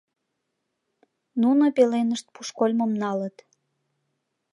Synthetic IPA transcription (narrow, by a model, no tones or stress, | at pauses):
nunopelenəʃt̪̚puʃkolʲməmnɑlət̪